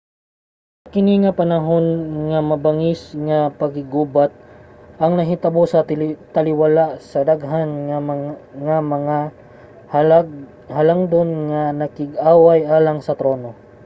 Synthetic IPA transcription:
kɪniŋɐpɐnɐɦo̞nŋɐmɐbɐŋɪsŋɐpɐɡɪɡuːbat̪̚ʔɐŋnɐɦɪt̪ɐbosɐt̪ɐlɪwalaʔsɐd̪aɡɦanŋ | ŋamɐŋa | ha | hɐlaŋd̪onŋɐnɐkɪɡaːwajʔaːlɐŋsɐt̪ɾo̞ːno̞

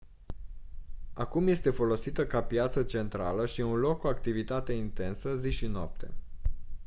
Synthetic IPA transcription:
akumje̞st̪e̞fo̞lo̞sit̪əkapjat̪sət͡ʃe̞nt̪ɾa̰ləʃiunlo̞kːuakt̪ivit̪at̪e̞int̪e̞nsəziʃinoa̰p̚t̪e̞̰

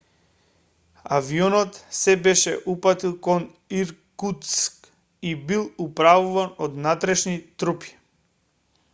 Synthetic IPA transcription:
aviɔnɔt̪sɛbɛʃɛʔupat̪ilˠkɔn | iɾkut̪sk | ibilˠupɾavuvanod̪nat̪ɾɛʃnit̪ɾupi̥

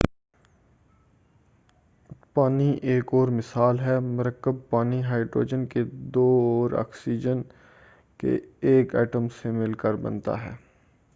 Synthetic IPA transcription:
paːniʔeːkɔːɾmɪsaːlɦɛmʊɾəkːəb̚paːniɦaːɪɖɾo̰ːd͡ʒənked̪oːɾa̰ːksiːd͡ʒən | kḛeːkɛːʈəmsemɪlkəɾbɐ̰̃nt̪a̰ɦɛ̰ː

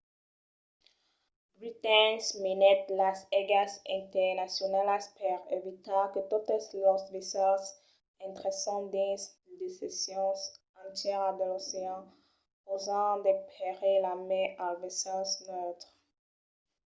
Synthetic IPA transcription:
bʁit̪ɛnsminɛt̪lasɛɡasɛ̃nt̪ɛʁnasjɔnalaspɛʁevit̪ɑ̃kət̪ut̪slɔsvesɔs | ɛ̃nt̪ʁesɑ̃d̪is | d̪esesjɑ̃s | ɑ̃t̪jɛʁad̪əloseɑ̃ | ozɑ̃d̪ekpleʁelameʔãlvɛsɑ̃snøt̪χ

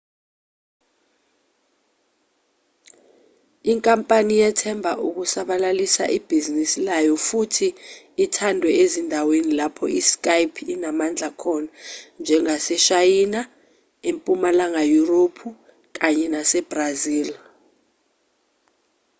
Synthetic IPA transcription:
iŋkʼampʼanijɛtʰɛmbʱaʔuk̬usaɓalalisa̰ʔib̥ʱizinisilajɔfutʰiː | tʰandʱwɛezindʱawenilapʰɔisk̬ʼajpʰinamand͡ɮʱakʰɔnand͡ʒʱɛŋasɛʃajina | empʼumalaŋajuropʰu | k̬aɲɛnasɛb̥raziːl

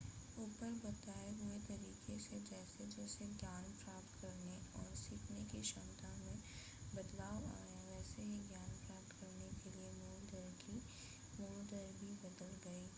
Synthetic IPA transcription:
uːpəɾbɐt̪aːeɦʊet̪ɐɾiːqesed͡ʒɛːsed͡ʒɛːseɡjaːnpɾaːpt̪kɐɾneɔːɾsɪkʰnekiʃɐ̃nt̪amẽ | bɐd̪laːwa̰ːjaʋɛːseɦiɡjaːnpɾaːp̚t̪kɐɾnekeliemuːld̪əɾki | moːld̪əɾbʱibɐd̪əlɡɐiː

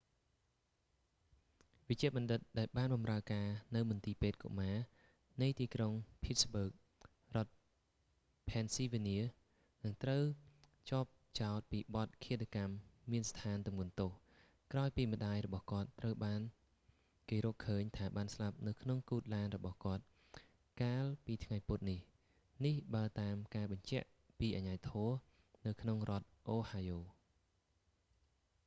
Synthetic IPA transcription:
ʋɨc̚t͡ɕiəʔɓɑnɗɨt̪̚ɗaɛlɓaːnɓɑmraəkaːnɨwmʊnt̪iːpeːt̪̚ko̰ʔmaː | nɨjt̪iːkroŋpʰit̪̚sɓəːk̚ | rŏət̪̚ | pʰɛːnsiːʋiniə | nɨŋt̪rəw | t͡ɕŏəp̚t͡ɕaɔt̪̚piːɓɑt̪̚kʰiət̪ʰakamːiənst̪ʰaːnt̪umŋŭənt̪oːh | kraɔjpiːmə̆ɗaːjrɔɓɑhkŏət̪ːrəwɓaːn | keːɾɔːkʰːəːɲt̪ʰaːɓaːnslap̚nɨwkʰnoŋkuːt̪̚laːnrɔɓɑhkŏət̪̚ | kaːlpiːt̪ʰŋajpʊt̪̚nih | nihɓaəlt̪aːmkaːɓɑɲt͡ɕɛ̆əʔ | piːʔaɲaːt̪ʰɔə | nɨwkʰnoŋrŏət̪̚ʔoːhaːjoː

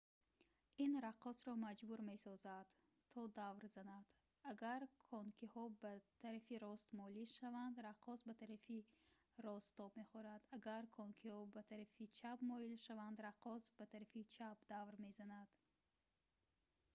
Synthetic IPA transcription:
inɾaqɔsɾɔmad͡ʒbuɾme̞sɔzad̪̥ | t̪ʰɔd̪avɾzanad̪̥ | aɡaɾkʰɔŋkʰihɔbat̪ʰaɾafiɾɔst̪mɔliʃavand̪ɾaqʰɔsbat̪ʰaɾafi | ɾɔst̪ːɔbme̞χɔɾad̪aɡaɾkʰɔŋkʰihɔbat̪ʰaɾafit͡ʃʰabmɔilʃavand̪ɾaqɔsbat̪ʰaɾafit͡ʃʰabd̪avɾme̞zanad̪̥

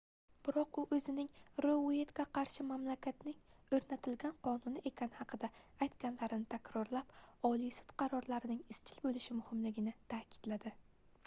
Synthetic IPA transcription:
b̥ɪɾɒqʊʔɵzɪnɪŋɾoe̞t̪kʲaqʰɑɾʃɪmamlakʲʰat̪nɪŋɵɾnat̪ʰɪlɡʲanqʰɒnʊnɪʔe̞kʲʰanɪhɑqʰɨd̪aːjt̪ɡʲanlaɾɪnɪt̪ʰakʲɾɒɾlapɒlˠijsʊ̥t̪qʰɑɾɒɾlaɾɪnɪŋɪst͡ʃʰɪlbolɪʃɪmʊhɪmlɪɡʲɪnɪt̪ʰakʲʰɪ̥d̪̥lad̪ɪ

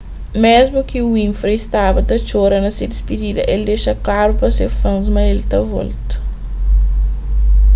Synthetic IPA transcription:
mezmʊkɪuĩfɾeist̪abɐt̪ɐt͡ʃoɾɐnɐsed̪ispid̪id̪ɐʔeld̪eʃɐklaɾupɾɐseɾfɐ̃zmɐelt̪ɐvɔ̰lt̪u̥

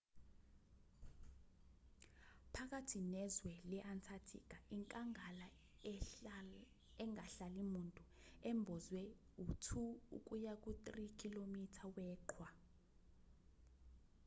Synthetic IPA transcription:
pʰak̬atʰinɛzwɛlɛʔantʰatʰḭk̬ʼaiŋkʼaŋala | ɛŋɡʱaɬalimuntʼuɛmbʱɔzwɛutʰuṵk̬ʼujak̬ʼutʼrikʰʼilomitʰawɛːǃʰwa

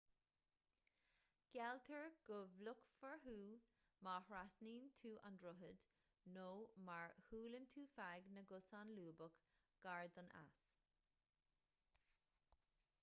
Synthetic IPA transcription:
ɡ̥ɛlt̪ʰəɹɡ̥ʊvlʊkfəɹɦuː | maːhɹasniːnt̪ʰuːʔandɾʊɦəd̪̥ | noːmaɹhuːlənt̪ʰuːfaɡnəɡʊsanluːbək | ɡ̥aɹd̪əna̰s

